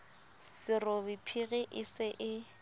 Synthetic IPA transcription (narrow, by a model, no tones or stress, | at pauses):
sɪrʊbɪpʰiɣɛʔɪsɪʔɪ